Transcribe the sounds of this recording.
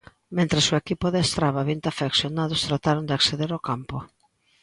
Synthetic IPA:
mẽnt̪ɾesoekipoðeest̪ɾaβaβint̪afeksjonaðʊst̪ɾat̪aɾʊnd̪ɪakseðeɾokampo

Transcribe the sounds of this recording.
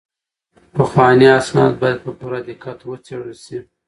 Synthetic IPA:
pəxwɑniasnɑd̪̚bɑjad̪̚pəpuɾad̪ikat̪wət͡seɽəlsi

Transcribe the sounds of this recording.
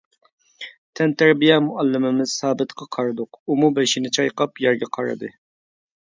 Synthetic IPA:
t̪ʰɛnt̪ʰæɾbijɛmʊʔɑlːɪmɪmɪz̥sɑːbɨt̪qʰɑqʰɑɾɨd̪ʊqumubɛʃɪnɪt͡ʃʰɑjqɑpjɛɾɡʲɛqʰɑɾɨ̰d̪ɨ

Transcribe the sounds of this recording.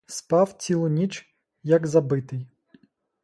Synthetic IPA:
spɑwt͡sʲilˠɔnʲit͡ʃ | jɐɡzɐbɪt̪ɪj

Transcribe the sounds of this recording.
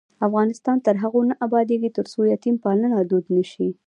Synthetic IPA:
afɣɑnɪst̪ɑnt̪əɾɦaɣonaʔabɑd̪eɡit̪əɾsojɑt̪impɑlənad̪od̪nəʃi

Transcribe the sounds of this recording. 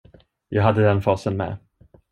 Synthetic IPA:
jɑːɡɦad̪ːəd̪ɛnfɑːsənmɛ̰ː

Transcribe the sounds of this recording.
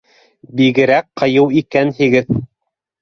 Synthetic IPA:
biɡɘ̆ɾæk̚qɤ̆jɤwikænhiɡɘð

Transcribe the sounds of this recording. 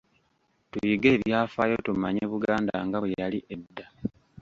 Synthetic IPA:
tujiɡe̞ːβjaːfajo̞tumaɲeβuɡaːnda̰ŋɡaβwejaliʔe̞dːa

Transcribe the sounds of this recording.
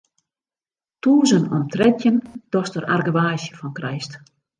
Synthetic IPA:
tuːzənɔmtrɛtjənd̥ɔstəra̰rɡəʋaːsjəfɔnkrɛjst

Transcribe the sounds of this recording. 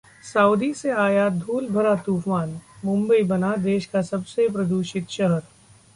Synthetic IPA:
saːud̪iseaːjad̪ʱuːlbʱɐɾat̪uːpmaːnmʊ̃mbəibɐnad̪eːʃkasɐbsepɾɐd̪uːʃɪt̪ʃɐɦəɾ

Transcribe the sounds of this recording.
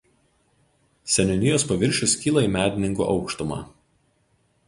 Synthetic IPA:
sʲɛnʲʊnʲɪjoːspɐʋʲɪɾʲʃʲʊskʲiːlˠɐiːˑmʲæːd̪ʲɪnʲɪŋɡṵʔɒ̰ʊkʃt̪ʊmɑ̰ː

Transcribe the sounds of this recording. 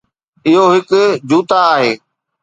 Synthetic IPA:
ɪɦoɦɪkd͡ʑuːt̪aːɦeː

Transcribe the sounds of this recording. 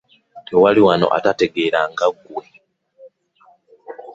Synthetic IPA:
tewaliwano̞̰ʔa̰tate̞ɡeɾaŋɡaɡwwe

